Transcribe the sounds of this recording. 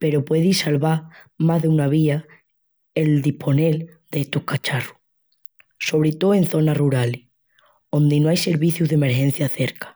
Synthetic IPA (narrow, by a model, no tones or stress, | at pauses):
pe̞ɾo̞pwe̞ðisalβa | mazðeunaβ̞ia | e̞ld̪ipʰo̞ne̞l | d̪̥eest̪ohkat͡ʃaru | so̞βɾet̪oe̞nθo̞naruɾale | o̞nd̪enoajse̞ɾβiθjuzðeme̞ɾxe̞n̟θjaθe̞ɾkḁ